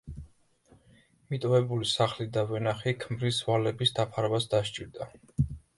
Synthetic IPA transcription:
mit̪ʼɔvɛbulisaχlid̪avɛnaχikʰmɾisvalɛbisd̪apʰaɾvasd̪aʃt͡ʃʼiɾd̪a

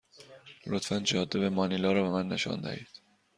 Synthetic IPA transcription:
lot̪fænd͡ʒɒːd̪ːebemɒːnilɒːɾɒːbemænːe̞ʃɒ̰nd̪æ̰hiːd̪̥

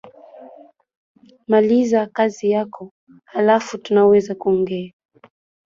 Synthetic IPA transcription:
malizakazijakʰɔ | halafutunawɛzakuɔŋɡɛa

